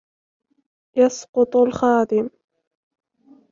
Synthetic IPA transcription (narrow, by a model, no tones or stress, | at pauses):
jɑsqʊt̪ˤlxɑːd̪ɪm